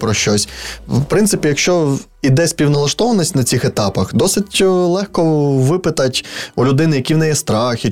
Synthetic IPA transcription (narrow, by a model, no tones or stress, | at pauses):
pɾɔʃt͡ʃɔsʲwpɾɪnt̪sɪpʲijɐkʃt͡ʃɔ | id̪ɛsʲpʲiwnɐlˠɐʃt̪ɔʋɐnisʲtʲnɐt͡sʲixet̪ɑpɐxd̪ɔsɪtʲlˠɛxkɔʋɪpɪt̪ɐtʲulʲʊd̪ɪnɪjɐkʲiwnɛjɛst̪ɾɑxʲɪ